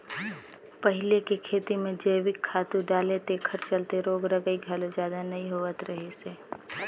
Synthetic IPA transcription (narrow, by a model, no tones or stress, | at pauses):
pəɦɪlekekʰeːt̪imẽd͡ʒəːʋɪkʰːaːt̪ũɖaːlet̪ekʰəɾt͡ʃəlt̪eɾoːɡɾəɡəiɡʱəlod͡ʒjaːd̪anɐɦĩɦoːət̪ɾəɦeseː